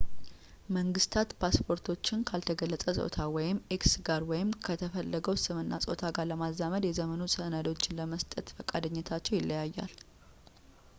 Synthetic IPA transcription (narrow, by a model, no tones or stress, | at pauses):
məŋɡɨst̪ʰat̪pʰaspʰo̞ɾt̪ʰo̞t͡ʃːɪnkʰalt̪ʰəɡəlːəsʼəsʼo̰t̪ʰawɔjɪmeksɡaɾwɔjɪmkʰət̪ʰəfəlːəɡəwsɨmɨnːa̰sʼo̰t̪ʰaɡaɾləmazːaməd̪jɛzəmənosənad̪wo̞t͡ʃːɪnləməst̪ʼət̪fəkʼad̪əɲːɛt̪ʰat͡ʃːɛwjɪlːəjajːa̰l